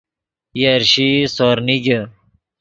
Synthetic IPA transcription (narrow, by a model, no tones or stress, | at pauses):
jaɾɕisoːɾniɡe